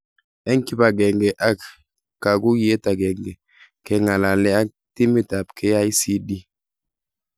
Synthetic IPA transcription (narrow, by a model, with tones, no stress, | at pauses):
ɛ˦ŋki˦ba˨ɡɛ˨ŋɡɛ˨ʔa˦k | ka˨ɡu˦ɡi˦e˦ta˨ɡɛ˨ŋɡɛ˨ | kɛ˨ŋa˨la˨lɛ˨˦a˦k̚ti˦mi˦˨ta˨pkɛ˦ja˦i˦si˦di˦